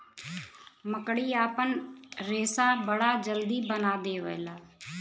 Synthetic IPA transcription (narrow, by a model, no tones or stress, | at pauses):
məkɽiːaːpənɾeːsaːbəɽaːd͡ʒəld̪iːbənaːd̪eːʋə̰elaː